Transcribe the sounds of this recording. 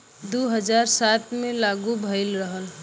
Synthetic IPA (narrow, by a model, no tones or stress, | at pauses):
d̪uɦəd͡ʒaːɾsat̪mẽlaːɡubʱəɪlɾəɦəl